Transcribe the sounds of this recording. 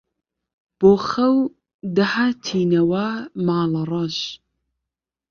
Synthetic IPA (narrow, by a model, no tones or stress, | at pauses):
b̥oːxɐw | d̪ɐhat̪ʰiːnɐwamaːlɐrˤɑʃ